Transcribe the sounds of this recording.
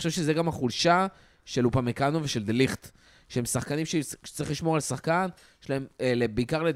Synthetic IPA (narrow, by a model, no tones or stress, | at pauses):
oʃevʃezeɡamhaχulʃa | ʃelupamekanoveʃeld̪eliχt̪ | ʃeemsaχkanimʃe̥t͡saʁiχliʃmo̞ʁalsaχkan | jeʃlae̞melebeikaʁle